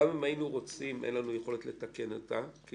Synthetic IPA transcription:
amimainuʁo̞t͡simʔḛnlanuje̞χo̞letle̞take̞notaki

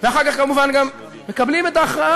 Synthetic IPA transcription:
veaχaʁkaχɡamuvanɡam | mekablimɛt̪aːχʁaa

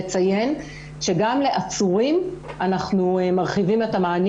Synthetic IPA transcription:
t͡saje̞n | ʃe̞ɡamle̞ʔat͡suʁimanaχnumaʁχivimetamaːn

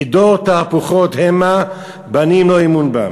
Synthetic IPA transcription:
d̪oʁt̪aːpuχot̪hema | banimloimunba̰

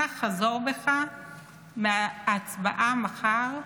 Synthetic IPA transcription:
aχazoʁbeχa | meat͡sbaʔamaχaʁ

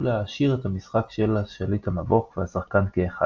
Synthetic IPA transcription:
lehaʃiʁethamisχakʃelaʃelithamavo̞kveasaχkankeːχa

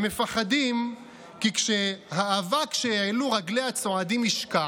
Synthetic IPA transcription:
me̞faχadim | kikʃeɦaːvakʃeeluʁaɡle̞hat͡so̞adimiʃka

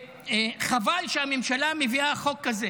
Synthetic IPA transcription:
eχavalʃeamemʃalameviaχo̞kːaze

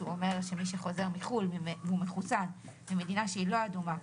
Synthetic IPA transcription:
uome̞ʁʁʃemiʃeχo̞ze̞ʁmiχulmiveumeχusanmime̞dinaʃeilo̞aduma

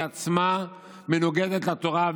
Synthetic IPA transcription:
at͡sma | me̞noɡed̪et̪lat̪o̞ʁav

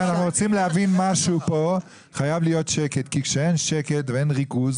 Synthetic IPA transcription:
anaχnuʁot͡simlehavinmaʃupo̞ | χajavlijo̞tʃeke̞tkikʃee̞nʃeke̞tveenʁiɡuz

